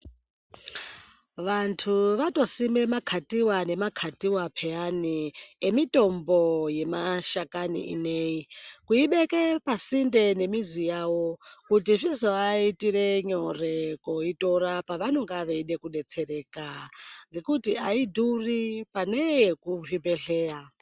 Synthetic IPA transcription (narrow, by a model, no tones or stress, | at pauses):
ʋantʰuʋato̞sime̞makʰatiwane̞makʰatiwapʰejaniemito̞mboje̞maʃakanḭḭneikuiɓekepasinde̞ne̞mizijawo̞kutiʐizoaitiɾe̞ɲorekoito̞ɾapaʋano̞ŋɡaʋeiɗe̞kuɗe̞t͡se̞re̞kaŋɡe̞kutiaidʱuripane̞ekupibe̞ɬe̞ːja